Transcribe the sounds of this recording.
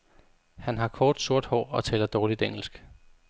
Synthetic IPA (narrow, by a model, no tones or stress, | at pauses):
hænɦɑ̈kʰɒːd̥so̝ɐd̥hɒ̰ːɒ̽t͡sʰɛ̰ːlɐd̥ɒːlid̥eŋ̰l̩sɡ̥